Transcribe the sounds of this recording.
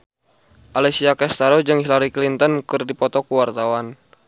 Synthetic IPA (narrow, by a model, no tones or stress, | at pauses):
ʔalɛsiakɛst̪aɾɔd͡ʒɨŋhilaɾiklint̪ɔnkɨrdipɔt̪ɔkuwart̪awan